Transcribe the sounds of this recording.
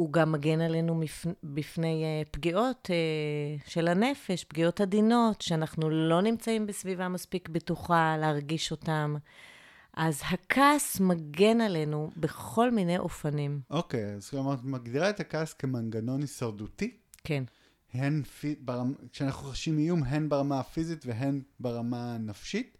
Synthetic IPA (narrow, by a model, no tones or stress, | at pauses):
uɡamːaɡe̞nale̞numifbifne̞jepɡio̞teʃe̞lhane̞fe̞ʃpɡio̞thadino̞tʃeanaχnulo̞nimt͡saimbesvivamaspikbituχaleaʁɡiʃo̞tam | ʔazhakʰasmaɡe̞nale̞nube̞χo̞lmine̞jʔo̞fanimʔokejazklomaʁtmaɡdiʁaetakaːskemanɡano̞nisaʁduti | kʰe̞n | henfibeʁamkʃeanaχnuχaʃimijumɦe̞nbeʁamafizitveɦenbeʁamanafʃit